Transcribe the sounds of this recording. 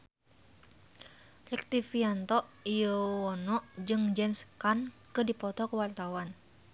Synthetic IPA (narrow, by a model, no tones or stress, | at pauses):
lɛk̚t̪ifiant̪ɔʔijəwɔnɔʔd͡ʒɨŋd͡ʒɛmskankɨdipɔt̪ɔkəwart̪awan